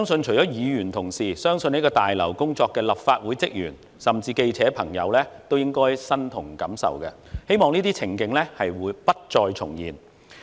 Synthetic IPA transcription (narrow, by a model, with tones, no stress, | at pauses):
sœː˥ŋsɵ˧nt͡ʃʰɵ˨˩jt͡ʃɔː˨˥jiː˨˧jyː˨˩nt̪ʰʊ˨˩ŋsiː˨˩sœː˥ŋsɵ˧ne˨˥kɔː˧t̪aː˨jlɐ˨˩wkʊ˥ŋt͡sɔː˧kːɛː˧lɐ˨p̚faː˧t̚wuː˨˥jt͡sɪ˥k̚jy̰ː˨˩n | sɐ˨mt͡siː˧ke˧jt͡sʰɛː˨˥pʰɐ˨˩ŋjɐ̰˨˧wlɛː˥t̪o˥wjɪ˥ŋkɔː˥jsɐ˥nt̪ʰʊ˨˩ŋkɐ˨˥msɐ̰˨wkɐ˧ | he˥jmɔː˨ŋniː˥t̪iː˥t͡sʰɪ˨˩ŋkɪ˧ŋlɛ˥hɐ˨jwuː˨˥jpɐ˥t̚t͡ʃɔː˧jt͡sʰʊ̰˨˩ŋjḭː˨˩n